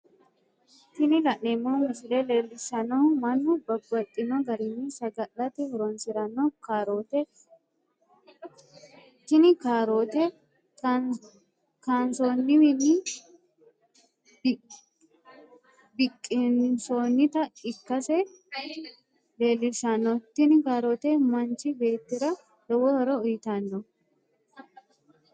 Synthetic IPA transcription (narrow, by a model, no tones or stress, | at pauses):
t̪ɪnɪlɐʔneːmːoːmɪsɪlele̞ːlːɪʃɐnoːmɐnːʊbɐbːɐt̪ʼːɪnɔɡɐɾɪnːɪsɐɡɐʔɐt̪ɛhɔɾɔnsɪɾɐnɔkaːɾo̞ːt̪ɛ | t̪ɪnɪkaːɾo̞ːt̪ɛ | kansoːnːɪmɪnɪ | bɪkʼːɪnsoːnːɪt̪ɐɪkːɐsɛ | le̞ːlːɪʃɐnːɔt̪ːɪnɪkaːɾoːt̪ɛmɐnt͡ʃɪbe̞ːt̪ːɪɾɐ | d̪ɔwɔhɔɾɔʊjɪt̪ɐnːɔ